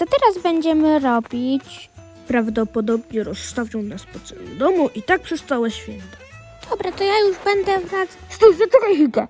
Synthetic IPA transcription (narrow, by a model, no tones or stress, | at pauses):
t̪ɔt̪ɛɾazbɛɲd͡ʑɛmɘɾɔbʲit͡ɕ | pɾavd̪ɔpɔd̪ɔbɲɛɾɔsːt̪avʲjɔwnaspɔt̪sɔwɛ̰md̪ɔmuʔit̪ak̚pʂɛst̪awɛɕfʲjɛnt̪ḁ | d̪̥ɔbɾɛt̪ɔjajuʐbɛnd̪ɛvɾat̪sast̪ɛjvʲɛt̪ɔkaxʲikɛ